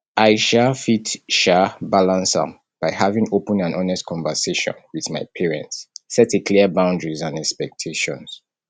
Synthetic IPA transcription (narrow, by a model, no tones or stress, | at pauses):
ʔaɪʃafitʃabalãnsə̰̃m | b̥aɪhavĩŋopə̃nãnʔɔnɛstkʰɔ̃ɱvəseʃɔ̰̃nwiðmaɪpʰɛɹɛ̰̃ntsːɛtikʰliəbãʊ̃ndɹizãnɛkspɛk̚tʰeʃɔ̰̃ns